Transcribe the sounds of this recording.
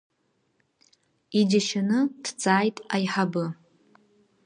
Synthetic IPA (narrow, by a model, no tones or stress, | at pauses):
id͡ʒaʃanɨd̥t͡sʼaːjtʼajħabɨ